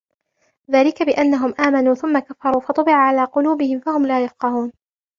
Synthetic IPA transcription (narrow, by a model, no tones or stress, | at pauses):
ðaːlɪkabɪʔanːaɦʊmʔaːmanuːθʊmːakafːɑɾˤuːfɑt̪ˤʊbɪʕaʕalaːqʊluːbɪhɪmfahʊmlaːjɑfqɑɦuːn